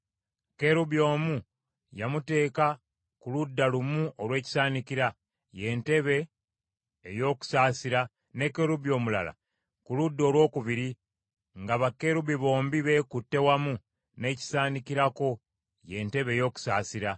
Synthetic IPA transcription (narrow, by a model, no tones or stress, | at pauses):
ke̞ɾuβjo̞ːmu | jamute̞ːka | kuludːalumuʔolwe̞ːci̥saːnikiɾa | je̞ːnte̞βe̞ː | jo̞ːku̥saːsiɾa | ne̞ke̞ɾuβjo̞ːmula̰la̰ | kuludːo̞ːlwo̞ːkuβiɾi | ŋɡaβake̞ɾuβiβo̞ːmbiβe̞kutːe̞wamu | ne̞ːci̥saːnikiɾako̞ | je̞ːnte̞βe̞ːjo̞ːku̥saːsiɾa